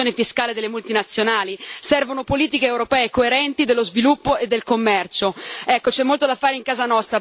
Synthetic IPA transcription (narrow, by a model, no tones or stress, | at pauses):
oːnefiskaːled̪elːemult̪inat̪sːjonaːlisɛrvonopoliːt̪ikeːwɾopɛːekoeɾɛnt̪id̪elːozvilupːoed̪ːelkomːɛrt͡ʃoɛkːot͡ʃɛmːolt̪od̪afaːɾeiŋkaːzanɔst̪ɾa